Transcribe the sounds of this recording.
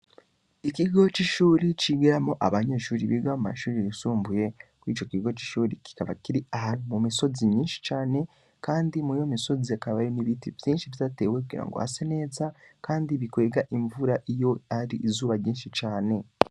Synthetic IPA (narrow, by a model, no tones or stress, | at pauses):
ikiɡo̞t͡ʃiʃuːɾit͡ʃiɡeɾamoʔa̰βaɲe̞ːʃuːɾiβiɡamuma̰ʃuːɾiɾisuːmbuje̞kwiːt͡ʃo̞kiɡo̞t͡ʃi̥ʃuːɾiki̥kaβa̰kiɾiahaimumiso̞zimɲiːnʃi̥t͡ʃaːne̞ | kaːndimujomiso̞ziakaβajoniβitivjiːnʃiβitate̞ːwek̬uɡḭːɾa̰ŋɡo̞̰ha̰sene̞za | kaːndiβikwe̞ɡaʔiɱvuɾaʔijo̞aɾiʔːzuːβaɾjiːnʃit͡ʃaːne̞